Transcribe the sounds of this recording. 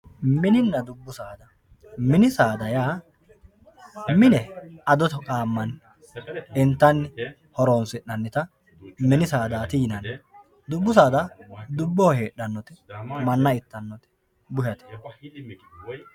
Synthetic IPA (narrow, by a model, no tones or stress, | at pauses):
mɪnɪnːɐd̪ʊbːʊsaːd̪ɐ | mɪnɪsaːd̪ɐjaː | mɪnɛɐd̪ɔt̪ɔkʼaːmːɐn | ɪnt̪ːɐnː | hɔɾonsɪʔɐnːɪt̪ɐ | mɪnɪsaːd̪aːt̪iːnɐn | d̪ʊbːʊs̬aːd̪ɐd̪ʊbːohe̞ːɗːɐnːɔt̪ɪmɐnːɐɪt̪ːɐnːɔt̪ɪ̥ | bʊjɐt̪ɛ̥